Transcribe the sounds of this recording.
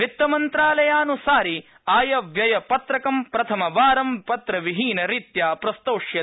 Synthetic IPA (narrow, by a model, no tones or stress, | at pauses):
ʋit̪ːɐmɐnt̪ɾaːlɐjaːnusaːɾi | aːjɐʋjɐjɐpɐt̪ɾɐkɐmpɾɐt̪ʰɐmɐʋaːɾɐmpɐt̪ɾɐʋiɦiːnɐɾit̪jaːpɾɐst̪oːʂjɐ